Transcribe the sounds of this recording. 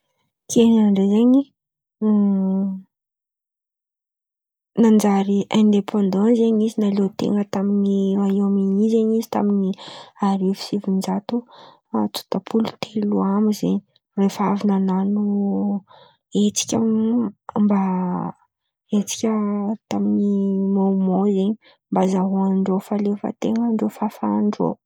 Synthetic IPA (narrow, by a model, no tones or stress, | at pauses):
kʰennaɳɖ͡ʐezeɲi | nand͡ʒaɾiʔɛ̃nd̪epʰɑ̃nd̪ɑ̃zeɲizinalet̪ḛŋɡət̪aminiaewamiɲizeɲizi̥t̪a̰miniaɾifi̥sivind͡ʒat̪u | at͡su̥t̪apʰulu̥t̪ʰeluamizeɲi | refavinananu | et͡si̥kʲa | mba | et͡si̥kʲət̪aminimaumozeɲi | mbazaɦuaɳɖ͡ʐofalefə̰t̪eŋəɳɖ͡ʐofafaɳɖ͡ʐo̰